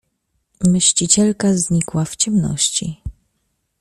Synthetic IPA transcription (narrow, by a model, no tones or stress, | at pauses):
mɘɕt͡ɕit͡ɕɛlkazɲikwaft͡ɕɛmnɔ̰ɕt͡ɕḭ